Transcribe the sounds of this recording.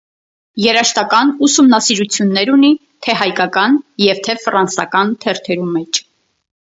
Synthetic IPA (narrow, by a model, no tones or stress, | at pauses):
jɛɾɑʃt̪ɑkɑnusumnɑsiɾut͡sʰjunːɛɾuni | t̪ʰɛhɑjkɑkɑnjɛvt̪ʰɛfrɑnsɑ̰kɑnt̪ʰɛɾt̪ʰɛɾumɛt͡ʃʰ